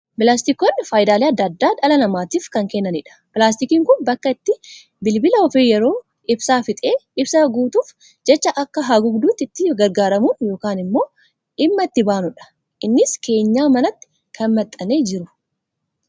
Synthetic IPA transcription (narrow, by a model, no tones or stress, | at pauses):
pɪlaːst̪ɪkɔnːfaːjd̪aːleːɐd̪ːɐd̪ːaːᶑɐlɐnɐmaːt̪iːfkɐŋkɛnːɐnɪᶑɐ̥pɪlaːs̬t̪ɪkiːŋkʊnbɐkːɐɪt̪ːɪ | bɪlbɪlɐɔfeːjɛɾo̞ː | ʔɪbsaːfɪt̪ʼeːɪbsaɡuːt̪uːf | d͡ʒɛt͡ʃːɐʔɐkːɐɦaːɡʊɡd̪uːt̪ːɪt̪ːɪɡɐɾɡaːɾɐmuːnjo̞ːkaːnɪmːo̞ː | ʔɪmːɐɪt̪ːɪbaːnʊᶑɐ̥ | ʔɪnːɪske̞ːɲːaːmɐnɐt̪ːɪ̥ | kʰɐnmɐt̪ʼːɐneːd͡ʒɪɾʊ